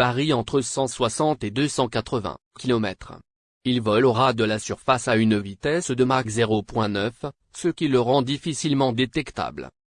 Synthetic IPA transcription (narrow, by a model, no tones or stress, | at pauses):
paʁiɑ̃t̪χəsɑ̃swasɑ̃t̪ed̪øsɑ̃kat̪χəvɛ̰̃kʲilɔmɛ̰t̪χ | ilvɔlɔʁad̪əlasyʁfasaynvit̪ɛsd̪əmaʁkzeʁopwɛ̃nœf | səkʲiləʁɑ̃d̪ifisilmɑ̃d̪et̪ɛkt̪a̰bl